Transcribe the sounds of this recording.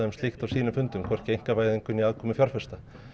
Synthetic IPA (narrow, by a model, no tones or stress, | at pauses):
hɛmst̪lixt̪avsiːnʏmfʏnt̪ʏmkʰvɔr̥cɪejŋ̥kavajðɪŋkʏniaːðkʰɔːmɪfjar̥fɛst̪a